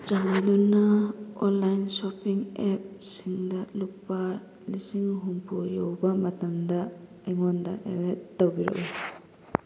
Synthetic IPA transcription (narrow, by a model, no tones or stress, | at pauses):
d͡ʒaŋidunaɔnlajnsɔpiŋɛp̚siŋdaluk̚pːa | lisiŋɦumpʰujowbamatamda | ajŋɔnda̰ʔḛɾetːawbiɾɔ̰ʔu